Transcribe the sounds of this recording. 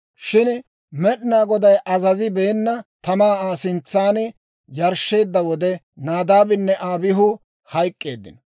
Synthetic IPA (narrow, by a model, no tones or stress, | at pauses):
ʃɪn | mɛɗɪnaːɡɔd̪ɐjʔɐzɐzɪbeːnːɐt̪ɐmaːaːsɪnt͡sːaːn | jɐɾʃːe̞ːd̪ːɐwɔd̪ɛ | naːd̪aːbɪnːɛʔaːbɪɦʊ | hɐjkʼːe̞ːd̪ːɪnɔ